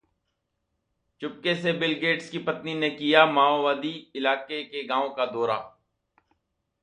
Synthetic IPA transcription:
t͡ʃʊp̚kesebɪlɡeːʈskipɐət̪ninekijamaːoʋaːd̪iɪlaːkekeɡãːõkad̪ɔːɾa̰ː

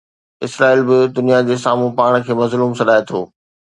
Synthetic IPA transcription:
ɪsɾaːiːlbɪd̪ʊnijad͡ʑeːsaːmũpaːɽ̃kʰeːmɐzluːmsɐɗaːet̪ʰo̰ː

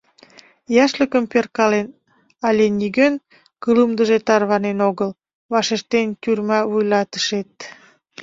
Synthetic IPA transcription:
jɑʃləkəmperkɑlen | ɑlʲeniɡøn | kələmd̪əʒet̪ɑrβɑnenoɣəl | βɑʃeʃt̪ent̪ʲyrmɑβujlɑt̪ə̥ʃet̪̚

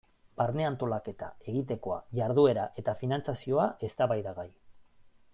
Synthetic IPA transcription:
baɾne̞ant̪o̞lake̞t̪ae̞ɣit̪e̞ko̞aʝaɾðue̞ɾaʔe̞t̪afinant͡sasio̞aʔe̞st̪aβajðaɣaj

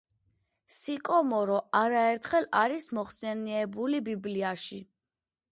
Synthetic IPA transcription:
sikʼɔmɔɾɔʔaɾaɛɾt̪ʰχɛlaɾismɔχsɛniɛbulibibliaʃi

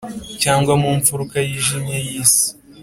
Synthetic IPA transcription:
caːŋɡwamuɱfuɾukajiʒimɲejiːsi̥

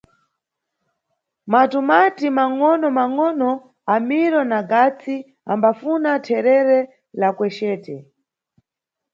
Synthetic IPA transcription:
matumatimaŋɔnɔmaŋɔnɔ | amiɾɔnaɡat͡sʰi | a̰mbafunatʰɛɾɛɾɛ | lakwɛʃɛːtɛ

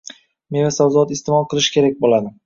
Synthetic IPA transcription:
menvasawzɒt̪ɪst̪emɒlˠqʰɨlˠɪʃkʲʰe̞ɾak̚ʲbolad̪ɪm

